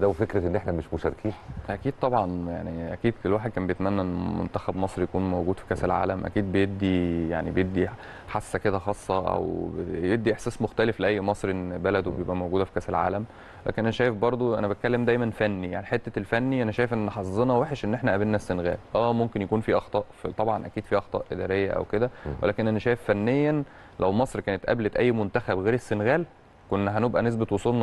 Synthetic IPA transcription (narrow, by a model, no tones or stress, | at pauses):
d̪æwefekɾeʔenːʔeħnæmeʃmoʃæɾkiːnʔækiːd̪̚t̪ˤɑbʕɑnja̰ʕniʔæ̰kiːd̪kelwaːħed̪̚kæːmbejet̪mænːæʔenːmo̰nt̪æxæbmɑsˤɾijækuːnmowɡuːd̪̥fi̥kæselʕa̰ːlæmʔæ̰kiːd̪̚bejeb̚d̪ijaʕnibejeb̚d̪i | ħasːæked̪æxɑːsˤːɑʔæ̰wjeb̚d̪ːiʔeħsæːsmoxt̪ælefleʔæjːmɑsˤɾʔenːbælæd̪wbejebʔæmowɡuːd̪æfi̥kæselʕa̰ːlæm | wlʔæ̰kenʔænæʃæːjefbɑɾˤd̪ˤoʔæ̰næbæt̪̚kælːemd̪æjmænfænːijaʕniħet̪ːælfænːiʔænæʃæːjefʔenːħɑsˤzˤenɑweħeʃʔenːʔeħnæʔæbelnæsːenɣæ̰ːlʔæːmomkenjækuːnfiːʔɑxt̪ˤɑːʔft̪ˤɑbʕɑnʔæ̰kiːd̪̥fiːʔɑxt̪ˤɑ̰ːʔʔed̪æ̰ːɾejːæʔæ̰wked̪æwḛlæːkenʔænæʃæːjefːænːejːæ | læwmɑsˤɾkæːnet̪ʔæ̰blet̪ʔæjːmont̪æxæbɣeːɾesːenɣæːl | konːɦænebʔænes̬bet̪wosˤulnɑ